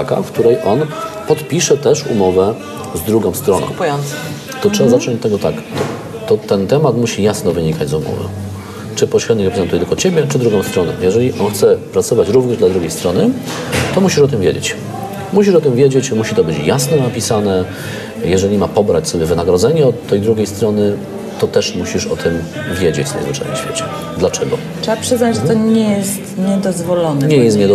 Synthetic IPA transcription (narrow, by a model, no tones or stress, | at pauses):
aka̰fkt̪uɾɛjʔɔnpɔt̪pʲiʂɛt̪ɛʂṵmɔvɛ | zd̪ɾuɡɔ̃w̃st̪ɾɔnɔ̰̃wj̪ | t̪ɔtʂɛbazat͡ʂɔɲt̪ːɛɡɔt̪ak | t̪ɔt̪ɛnt̪ɛmat̪muɕijasnɔvɘɲikad͡ʑzumɔ̰vɘ̰ | t͡ʂɘpɔɕvʲɛd̪ɲiɾɛpɛzɛnt̪ujɛt̪ɘlkɔt͡ɕebʲjɛt͡ʂɘd̪ɾuɡɔ̃w̃st̪ɾɔnɛ̰̃jɛʐɛlʲiʔɔnxt̪sɛpɾat̪sɔvat͡ɕɾuvɲɛʐd̪lad̪ɾuɡʲejst̪ɾɔnɘ | t̪ɔmuɕiʂɔt̪ɘmvʲjed͡ʑḛt͡ɕ | muɕiʂɔt̪ɘmvʲjed͡ʑet͡ɕmuɕit̪ɔbɘt͡ɕjasnɔnapʲisanɛ | jɛʐɛlʲimapɔbɾat͡ɕsɔbʲjɛvɘnaɡɾɔd̪zɛɲɛɔt̪ʰːɛjd̪ɾuɡʲejst̪ɾɔnɘ | t̪ɔt̪ɛʂmuɕiʂɔt̪ʰɘm | vʲjed͡ʑḛt͡ɕsɛ̰̃w̃zvɘt͡ʂa̰nɛ̰ɕfʲjḛt͡ɕɛ̥ | d̪lat͡ʂɛɡɔ | tʂɛbapʂɘznad͡ʑʐt̪ɔɲɛjɛst̪ɲɛd̪ɔzvɔlɔnɛɲɛjjɛst̪ɲɛ